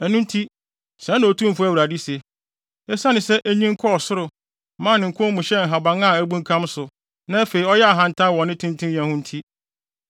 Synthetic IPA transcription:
ɛ˨nũ˦n˦tʰi˦ | sɛ̃˨˦nːã˨o˨tʰũ˦m̩˨fʊ˦æ˦wɾa˨di˦se˨ | ɛ˦sa˦nɪ̃˨sɛ˦ʔæ˦ɲĩ˦ŋ̩˦kʰɔ˦ɔ˨sʊ˦ɾʊ˨˦ | mãː˦˨nɪ̃˨ŋ̩˨kʰʊ̃˦mũ˨ɕɛ˦ŋ̩˨ɦa˨bã˨ŋã˦˨æ˦bũ˦ŋ̩˦kʰã˦msʊ˨ | nã˦æ˦fe˨i˨ɔ˦jɛ˦a˨ɦã˨n˨tʰã˦˨wɔ̃˨nːɪ̃˦tʰɪ̃˦n˦tʰɪ̃˦jã˨hʊ̃˦n̩˦tʰi˦

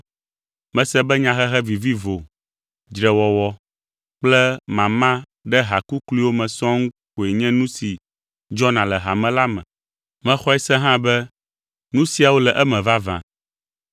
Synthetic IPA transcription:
mɛ̃˨sɛ˦bɛ˦ɲã˦ɦɛ˦ɦɛ˦vi˨vi˦vo˨ | d͡ʒɾɛ˨wɔ˨wɔ˦ | k͡plɛ˦mã˨mã˦ | ɖɛ˦ɦa˨ku˦kli˦wo˦mɛ̃˨sɔ̃˦ŋ̩˦ | ko˨e˨ɲɛ̃˦nũ˦si˨ | d͡ʒɔ˦nã˨lɛ˨ɦa˨mɛ̃˦la˦mɛ̰̃˨ | mɛ̃˨xɔ˦ɛ˦sɛ̃˦ɦã˦bɛ˦ | nũ˦si˨˦a˨wo˦lɛ˨ʔɛ˦mɛ̃˨va˦vã̰˨

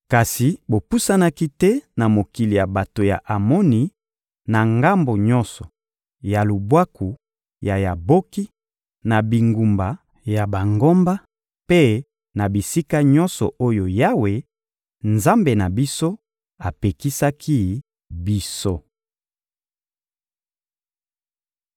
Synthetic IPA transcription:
ka˨si˨bo˨pu˦sa˦na˦ki˦tɛ˦na˨mo˨ki˨li˨ja˨ba˨to˨ja̰˨ʔa˨mɔ˦ni˨ | na˨ŋɡa˦mbo˨ɲɔ̃˦nsɔ˨ | ja˨lu˨bwa˦ku˨ | ja˨ja˨bo˦ki˦ | na˨bi˨ŋɡu˨mba˨ | ja˨ba˨ŋɡo˦mba˦ | pe˦ | na˨bi˨si˦ka˦ɲɔ̃˦nsɔ˨ʔo˦jo˨ja˦we˨ | nza˦mbe˨na˨bi˦so˦ | a˨pe˨ki˦sa˦kʰi˦ | bi˦so˦

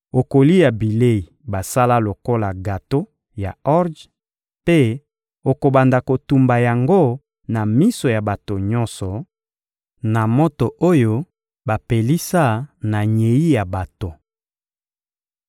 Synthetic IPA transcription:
o˨ko˨li˦ja˨bi˨le˦˨i˨ba˨sa˦la˦lo˨ko˦la˨ɡa˨to˦ | ja˨ɔ˦ʁd | pe˦ | o˨ko˨ba˨nda˨ko˨tu˨mba˨ja˨ŋɡo˦ | na˨mi˦so˨ja˨ba˨to˨ɲɔ˦nsɔ˨ | na˨mo˦to˨ʔo˦jo˦ | ba˨pe˨li˦sa˦na˨ɲe˨i˦ja˨ba˨to˨

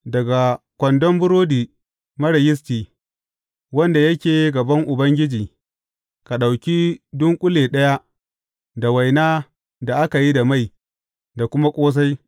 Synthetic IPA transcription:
dɐ˨ɡa˨ | kʷɔ˨ndɔ˦mbʊ˦ɾoː˦diː˨ | mɐ˦ɽɐ˨jɪ˦s̬tiː˨ | wɐ˦nda˨jɐ˦kʲeː˨˦ɡɐ˨bɐ˦ŋʔʊ˨bɐ˦ŋɡʲɪ˦d͡ʒiː˨ | ka˨ɗa˨wkʲi˦dʊ˦ŋkʷʼʊ˦leː˨ɗɐ˦ja˦ | da˨wa˨jnaː˦ | da˨ʔa˦ka˨ji˦da˨ma˦˨j | da˨kʷʊ˦ma˦kʷʼoː˦s̬a˦j

